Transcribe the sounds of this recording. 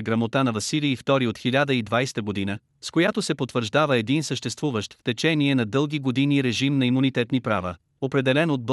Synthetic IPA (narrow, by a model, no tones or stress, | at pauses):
ɡɾɐmot̪anɐvɐsiliːft̪ɔɾiot̪xilʲad̪əid̪vajst̪əɡod̪inə | skojat̪osɛpot̪vəɾʒd̪avəɛd̪insəʃt̪ɛst̪vuvəʃt̪ft̪ɛt͡ʃɛniɛnɐd̪ɤlˠɡiɡod̪iniɾɛʒimnɐimunit̪ɛt̪nipɾa̰və̰ | opɾɛd̪ɛlɛnod̪̚b